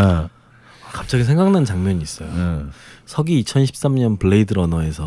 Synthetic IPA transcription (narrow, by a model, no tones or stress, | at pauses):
a | akap̚t͡ɕ͈aɡisʰe̞ŋɡaŋnant͡ɕaŋmjʌɲiːs͈ʌjo | sʰʌɡiːt͡ɕʰʌnɕʰi̥p̚s͈amɲʌnpɯɭːe̞idɯɾʌnʌe̞sʰʌ